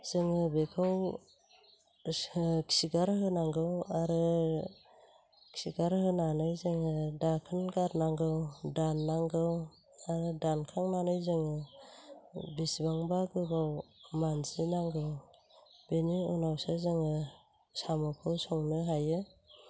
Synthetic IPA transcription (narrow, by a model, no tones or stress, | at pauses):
z̥ɯŋɯbekʰɯw | kʰsiɡaɾɦɯnaŋɡɯwaɾɯ | kʰi̥siɡaɾhɯnanɯjzɯŋɯdakʰɯnɡaɾnaŋɡɯwdanːaŋɡɯw | aɾɯdankʰaŋnanɯjzɯŋɯ | bisbaŋbaɡɯɡawmanzinaŋɡɯw | b̥eniɯnawsazɯŋɯ | samɔkʰɯwsɔŋnɯɦajɯ